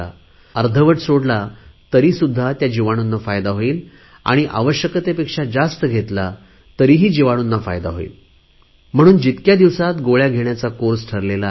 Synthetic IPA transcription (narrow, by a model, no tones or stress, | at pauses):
a̰ | əɾd̪ʱəʋəʈsoɽlat̪əɾiːsud̪ʱːat̪jad͡ʑiʋaɽ̃unːafajd̪aɦoiːl | a̰ɽ̃iʔa̰ʋəɕjəkət̪epekʂad͡zast̪əɡʱet̪la | t̪əɾiːɦiːd͡ʑiʋaɽ̃unːafa̰jd̪aɦoḭːl | m̤əɽ̃uːnd͡ʑit̪kjad̪iʋsat̪ɡoɭjaɡʱeɳjat͡sakoɾsʈʰəɾlela